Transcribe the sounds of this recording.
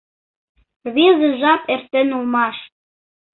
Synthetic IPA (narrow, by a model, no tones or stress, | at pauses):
βizə̆ʒɑpert̪ĕnulmɑʃ